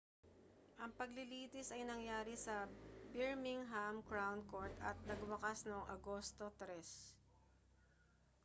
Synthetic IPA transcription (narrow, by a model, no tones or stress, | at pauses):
ʔɐŋpɐɡlɪliːt̪ɪsɐjnɐŋjaːɾɪsɐbɪɹmɪŋɦamkɹawnkoɹt̪ɐ̰t̪̚nɐɡwɐkasnoŋʔɐ̰ɡo̞ːst̪o̞t̪ɾɛs